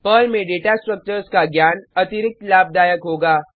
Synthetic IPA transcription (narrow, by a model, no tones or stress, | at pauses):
pəlmẽɖeːʈasʈɾək̚t͡ʃəɾskaɡjaːnɐt̪ɪɾɪk̚t̪laːb̚d̪aːjəkɦoːɡaː